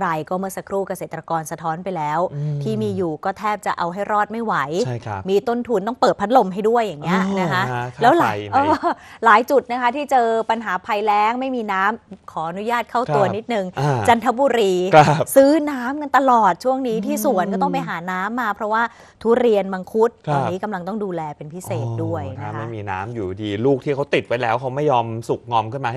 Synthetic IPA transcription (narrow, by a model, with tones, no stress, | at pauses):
ɾa˧jkɔː˥˩mɯ˥˩ɐsa˧kʰɾuː˥˩ka˧seː˨˩t̪ːɾa˧kɔː˧nsa˧t̪ʰɔː˦˥npa˧jlɛː˦˥wt̪ʰiː˥˩miː˧juː˨˩kɔː˥˩t̪ʰɛː˥˩p̚t͡ɕa˨˩ʔa˧wɦa˥˩jɾɔː˥˩t̪̚ma˥˩jwa˩˦jjʰmiː˧t̪o˥˩nt̪ʰuː˧nt̪ɔː˥˩ŋpɤː˨˩t̪̚pʰa˦˥t̪̚lo˧mɦa˥˩jdu˥˩əjːa˨˩ŋːi˦˥ɐ˧na˦˥kʰa˦˥lɛː˦˥wla˨˦ʔɔː˧˩laː˨˩˦jt͡ɕu˨˩t̪̚na˦˥kʰa˦˥t̪ʰiː˥˩t͡ɕɤː˧pa˧nɦaː˨˩˦pʰa˧jlɛː˦˥ŋma˥˩jmiː˧naː˦˥mkʰɔː˩˦ʔa˧nu˦˥jaː˥˩t̪̚kʰa˥˩w̪u˧ɐni˦˥t̪̚nɯ˨˩ŋʔt͡ɕa˧nt̪ʰa˦˥buː˧ɾiː˧kʰa˧sɯː˦˥naː˦˥mka˧nt̪a˧lɔː˨˩t̪̚t͡ɕʰu˥˩əŋniː˦˥t̪ʰiː˥˩su˨˩˦ənkɔː˥˩t̪ɔ˥˩pa˧jɦaː˩˦naː˦˥mːaː˧pʰɾɔ˦˥waː˥˩ | t̪ʰuː˦˥ɾi˧ənba˧ŋkʰu˦˥t̪̚ɔaː˧niː˦˥ka˧mla˧ŋt̪ɔ˥˩ŋduː˧lɛː˧pe˧npʰi˦˥seː˨˩t̪̚du˥˩əjna˦˥ma˥˩miː˧na̰ː˦˥mjuː˨˩diː˧luː˥˩k̚t̪ʰiː˥˩kʰa˦˥wt̪i˨˩t̪̚wa˨˦˥jlɛː˦˥wkʰa˦˥wma˥˩jːɔː˧msu˨˩k̚ŋɔː˧mkʰɯ˥˩maː˧˥